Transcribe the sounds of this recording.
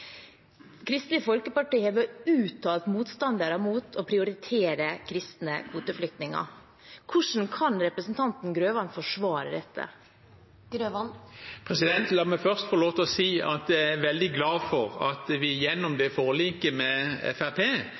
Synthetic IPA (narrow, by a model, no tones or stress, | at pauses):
kʰɾɪst̪lɪəfɔlkəpɑʈiːəʋəʉːt̪ʰːɑːlt̪muːt̪st̪ɑnd̪əɾəmuːt̪ʰɔpʰɾɪʊɾɪt̪ʰeːɾəkʰɾɪst̪nəkʰʋuːt̪əflʏk̚t̪nɪŋɑ̰ | kʰʊʂn̩kʰɑnɾɛpɾəsnt̪ʰɑnt̪n̩ɡɾøːʋɑnfɔʂʋɑːɾə̰d̪ɛt̪ʰːə̰ | ɡɾøʋɑnpʰʁɛsɪd̪ɛnt̪lɑːmɛfœʁst̪fɔloːt̪ɔsiːɑt̪d̪ææʋɛld̪ɪɡlɑːfɔʁɑ̰t̪ʋɪjɛnːʊmd̪ɛfoːʁliːkəmɛɛ̰fæpʰeː